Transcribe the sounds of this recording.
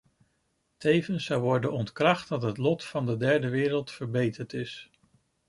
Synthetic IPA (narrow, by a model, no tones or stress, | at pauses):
tejvənsɑwʋɔɹdənɔntkrɑχt̚dɑtɦətlɔtfɑndədɛɹdəʋɪːɾəlˠtfəɹbejtəɹtɪs